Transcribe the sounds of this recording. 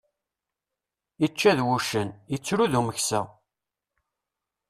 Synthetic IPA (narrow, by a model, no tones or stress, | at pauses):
it͡ʃːæðwuʃənət͡sːɾuðuməçsæ